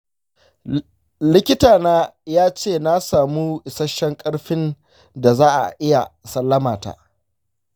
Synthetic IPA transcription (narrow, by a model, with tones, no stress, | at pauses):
lɪ˦kʲɪ˦taː˨naː˦jaː˦t͡ʃeː˦˨na˦saː˨mu˦ɪ˨sɐ˦ʃːɛ˦ŋkʼɐ˦ɽɸɪ˦n | da˨zaː˦ʔa̰˨ʔɪ˦ja˨sɐ˦lːɐ˦maː˨ta̰ː˨